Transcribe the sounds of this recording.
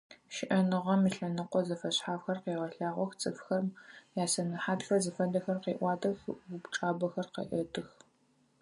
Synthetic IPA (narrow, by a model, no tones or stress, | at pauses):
ʃɪʔɐnɨʁɐmiɬɐnɨqʷɔzɐfɐɕħaːfxɐrqeːʁɐɬaːʁʷɔxt͡sʼɨfxɐrmjaːsɐnɐħaːtxɐzɨfɐdɐxɐrqeːʔʷɑːdɐxʊbʈ͡ʂʼaːbɐxɐrqḛʔɐtʰʼɨx